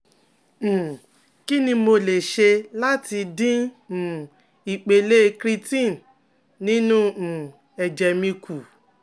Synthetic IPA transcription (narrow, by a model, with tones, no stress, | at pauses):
m̩̃˨ | ki˦nĩ˧mo˧le˨ʃe˧la˦tʰi˧dĩ˦˨ | i˨k͡pe˧le˦kɾi˦tĩ˦˨n | nĩ˦nũ˦˨ | ɛ˨d͡ʒɛ˨mĩ˧ku˨